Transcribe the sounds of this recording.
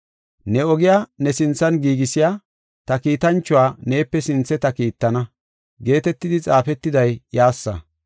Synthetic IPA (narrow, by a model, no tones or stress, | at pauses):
nɛɔɡɪjaːnɛsɪnt͡sːɐnɡiːɡɪsɪjaː | t̪ɐkiːt̪ɐnt͡ʃːʊwaːne̞ːpːɛsɪnt͡sːɛt̪ɐkiːt̪ːɐnɐ | ɡe̞ːt̪ɛt̪ːɪd̪ɪt͡sʼaːfɛt̪ːɪd̪ɐjjaːsːɐ̰